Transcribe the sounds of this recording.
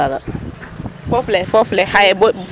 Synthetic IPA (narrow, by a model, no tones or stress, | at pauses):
aka | fɔflɛfɔflɛhajɛbɔ